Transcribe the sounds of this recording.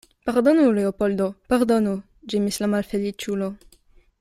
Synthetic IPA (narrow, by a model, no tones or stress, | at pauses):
paɾd̪onuleopold̪opaɾd̪onu | d͡ʒimislamalfelit͡ʃulo